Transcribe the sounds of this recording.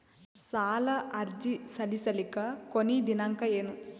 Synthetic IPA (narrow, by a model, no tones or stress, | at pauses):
saːlɐʔɐɾd͡ʒisɐlisɐlikɐkonid̪inɐŋkɐeːnu